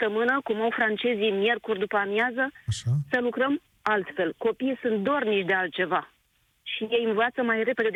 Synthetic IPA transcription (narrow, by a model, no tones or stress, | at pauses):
t̪əmɨnəkumawfɾant͡ʃe̞zimje̞rkurʲd̪upəamjazəʃsəlukɾəm | alt̪fe̞lko̞piːsunt̪̚d̪oarnit͡ʃd̪e̞alt̪̚t͡ʃe̞va | ʃije̞jɨnvat̪səmajre̞pe̞d̪e